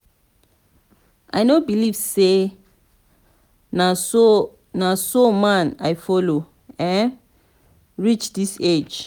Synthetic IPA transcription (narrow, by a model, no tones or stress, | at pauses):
ʔajnobilivse | n | nasomãnajfɔlo | ɛ̃n | ɹit͡ʃdised͡ʒ